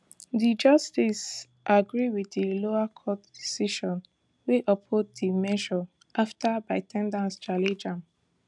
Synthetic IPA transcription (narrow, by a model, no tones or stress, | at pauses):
ðid͡ʒʌstis | ʔaɡɹiwidiloakʰɔtd̥isiʃɔ̃n | weʔɔpʰoddimɛʒɔ | ʔaftabaɪtʰɛ̃ndãnst͡ʃaled͡ʒãm